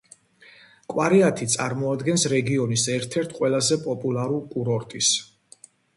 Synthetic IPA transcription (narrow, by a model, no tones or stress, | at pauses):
kʼwaɾiat̪ʰit̪sʼaɾmɔad̪ɡɛnsɾɛɡiɔnisɛɾt̪ʰɛɾt̪ʰqʼwɛlˠazɛpʼɔpʼulˠaɾulkʼuɾɔɾt̪ʼis